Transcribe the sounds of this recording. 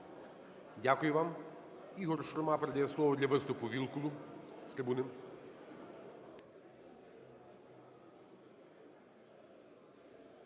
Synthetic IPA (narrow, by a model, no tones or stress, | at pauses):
dʲakʊjʊʋɑm | iɦɔrʃɾɔmɑpɾed̪ajɛslˠɔʋɔd̪ʲlʲɐʋɪst̪ʊpʊʋʲilˠkʊlˠʊst̪ɾʲebunɪm